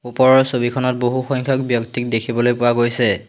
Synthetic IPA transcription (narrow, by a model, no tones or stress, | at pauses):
upɔɹɔɹsobikʰɔnɔt̚boɦuxɔŋkʰɔkbjɔktik̚dekʰibɔlojpʊaɡojsɛ